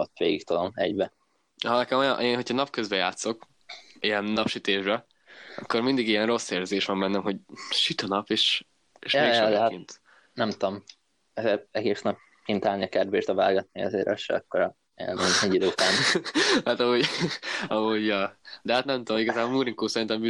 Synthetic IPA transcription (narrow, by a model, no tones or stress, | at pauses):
ot̪ːʋeːɡikt̪od̪omɛ̰ɟbɛ | ɦɒnɛkɛmojɒ̰nʔeːnɦo̞cʰɒnɒp̚køzbɛja̰ːt̪so̞k | ijɛnːɒpʃyt̪eːʒbɛ | ɒkːo̞rmind̪iɡijɛnro̞sːeːrzeːʃʋɒmbɛnːɛmɦo̞ɟʃyt̪ɒnɒpeːʃ | eːʃjeːjʃd̪ɛɦatint̪ | nɛmt̪om | ɛzeːɾɛɡeːsnɒp | kint̪aːlniɒkɛrd̪beːʃt̪ɒva̰ːlɡɒt̪niɒ̰zḛːɾʔɒ̰ʃɛ̰ɒ̰kːoɾɒ | ɛ̰menɛɟid̪oːt̪anhat̪ɒɦoɟɒɦoɟjɒːd̪ɛɦat̪nɛmt̪oomiɡɒzaːbolmuɾiŋkoːsɛɾint̪ɛmby